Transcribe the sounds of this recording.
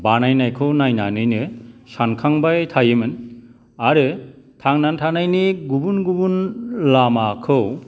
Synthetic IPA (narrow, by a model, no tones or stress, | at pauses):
banajnajkʰɯwnajnanɯjnɯsankʰaŋbajtʰajɯmɯn | aɾɯ | tʰaŋnantʰanajnɯɡubunɡubunlamakʰɯw